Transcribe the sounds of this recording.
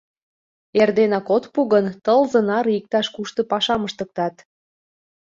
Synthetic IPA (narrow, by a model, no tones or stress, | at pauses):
erd̪enɑkot̪puɣənt̪əlzɤ̆nɑɾik̚t̪ɑʃkuʃt̪ɤ̆pɑʃɑməʃt̪ək̚t̪ɑt̪